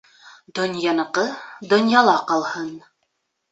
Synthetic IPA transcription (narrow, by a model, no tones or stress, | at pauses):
d̪ŏnjɑnɤ̆qɤd̪ŏnjɑlˠɑqɑlˠhɤn